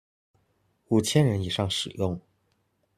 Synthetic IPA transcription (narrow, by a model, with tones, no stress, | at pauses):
u˨˩t͡ɕʰjɛ˥nɻə˧˥ni˨˩ʂɑ˥˩ŋʂɻ̩˨˩jʊ˥˩ŋ